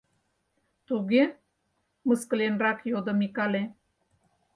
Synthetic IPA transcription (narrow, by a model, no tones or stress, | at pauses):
t̪uɣe | məskə̆lenrɑkjod̪ɤ̆mikɑle